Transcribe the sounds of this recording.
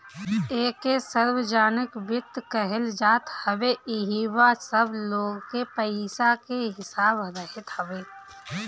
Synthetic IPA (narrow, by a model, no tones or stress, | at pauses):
eːkesəɾwd͡ʒaːnɪkʋɪt̪ːkəɦɪld͡ʒaːt̪hɐʋeɪɦiwasɐbloːɡkepəiːsakeɦɪsaːbɐd̪aɦɪt̪həʋeː